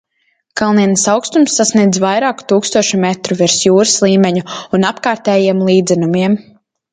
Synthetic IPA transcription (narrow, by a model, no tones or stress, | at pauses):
kalˠniɛnsawkst̪umsːasniɛd̪zvajɾaːku̥t̪uːkst̪uɔʃumɛt̪ɾuviɾsjuːɾɨslˠiːmʲeɲuunapkaːɾt̪ɛːjiɛmlˠiːd̪zɛnumiɛm